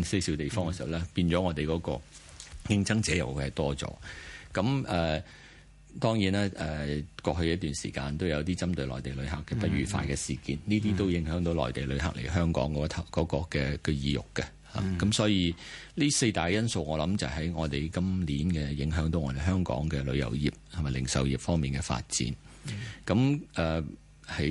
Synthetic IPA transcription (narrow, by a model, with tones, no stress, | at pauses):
se˥jsi˨˧˥t̪e˨jfɔː˥ŋkɛ˧si˨wlɛː˥piː˧nt͡sɔː˨˦˥ŋɔː˨˧t̪e˨jkɔː˨˥kɔ̰ː˧ | kɪ˧˥ŋt͡sɐ˥ŋt͡sɛː˨˥jɐ˨˩wu˨˧˥hɐ˨˩jt̪ɔː˥t͡sɔ̰ː˨˥kɐ˨˥mɛː˨ | t̪ɔː˥ŋjiː˨˥naː˥ɛː˨˩kɔː˧ɦɵ˧ɥjɐ˥t̚t̪yː˨nsiː˨˩kaː˧nt̪o˥wjɐ˨˧wt̪iː˥t͡sɐ˥mt̪ɵ˨˧ɥlɔː˨jt̪e˨˩jlɵ˨˧ɥha˨kːɛː˧pɐ˥t̚ɥyː˨faː˧jkɛː˧siː˨˩kiː˨˧nniː˥t̪iː˥t̪o˥wjɪ˨˥ŋɦœː˨˥ŋt̪o˨˥wlɔ̰ː˨˩jt̪e˨jlɵ˨˧ɥɦa̰˨k̚lʔḛ˨˩jɦœː˥ŋkɔ̰ː˨˥ŋkɔ˨˥t̪ʰɐ˨kɔː˨˥kɔː˧kɛː˧kɛ˧jiː˨˧jʊ̰˨kːɛ˧ | ha̰ː˨kɐ˨˥msɔː˨˥jiː˧ | liː˥se˧t̪aː˨jjɐ˥nso˧wŋɔː˨˧lɐ˨˥mt͡sɐ˨ɦɐ˨˥jŋɔː˨˧t̪e˨˩jkɐ˥mliː˨˥nkɛː˧jɪ˨˥ŋɦœː˨˥ŋt̪o˨˥wŋɔː˧t̪e˨˩ɦœː˥ŋkɔ̰ː˨˥ŋkɛː˧lɵ̰˨˧jɐ̰˨˩wjiː˨p̚t̪ʰɐ˨mɐ˨jlɪ̰˨˩ŋsɐ˨wjiː˨˩p̚fɔː˥ŋmiː˨nkɛː˧fa̰ː˧t̚t͡sḭː˨˥n | kɐ˨˥mɛː˨ | hɐ˨˥